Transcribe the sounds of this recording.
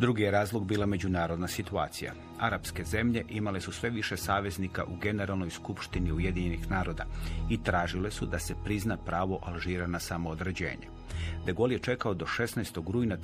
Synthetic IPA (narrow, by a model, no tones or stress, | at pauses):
d̪ɾuɡijeɾaːzlˠoɡbiːlˠame̞d͡ʑunaːɾo̞d̪nasit̪ua̰ːt̪sija̰ | aɾapske̞ze̞mʎe̞ʔimale̞susʋe̞ʋiʃe̞saːʋe̞znika̰ʔuɡe̞ne̞ɾalˠnojskupʃt̪iniuje̞d̪iɲe̞nixnaːɾo̞d̪a̰it̪ɾaːʒile̞sud̪ase̞pɾiznapɾaːʋo̞ʔalˠʒiːɾanasamoːd̪ɾe̞d͡ʑe̞̰ːɲḛ | d̪eɡo̞lje̞t͡ʃe̞kao̞d̪o̞ʃe̞snajst̪oɡɾuːjna